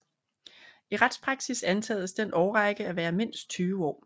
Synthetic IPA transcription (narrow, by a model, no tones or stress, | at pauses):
iʁad̥spʰʁɑ̈ɡ̥sisænt͡sʰɛ̰ːðˠəsd̥enʔɒʊʁɑɪɡ̥əæʋæːɐme̝n̰sd̥̚t͡sʰyːʊəɒ̰ː